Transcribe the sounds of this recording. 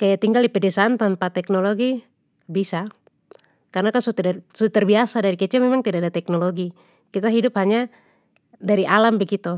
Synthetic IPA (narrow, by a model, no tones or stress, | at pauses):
kajat̪iŋɡaldipɛdɛsaant̪anpat̪ɛknɔloɡi | bisa | karnakansut̪dsut̪ɛrbiasadaɾikɛt͡ʃɛmɛmaŋt̪idadat̪ɛk̚nɔloɡi | kit̪aɦidʊp̚haɲa | daɾiʔalambəɡit̪u